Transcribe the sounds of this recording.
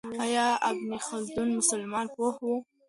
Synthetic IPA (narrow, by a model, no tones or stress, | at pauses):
ajɑabnixʊld̪ʊnmʊsalmɑnpohu